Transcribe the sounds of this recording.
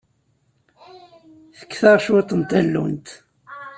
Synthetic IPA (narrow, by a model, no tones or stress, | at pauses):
θə̥kːθɑʁʃuet̪ˤːənt̪ælːṵnt̪